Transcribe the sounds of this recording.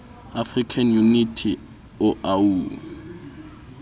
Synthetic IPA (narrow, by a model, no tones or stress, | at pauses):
afrikʰanjunitʰi | ʊau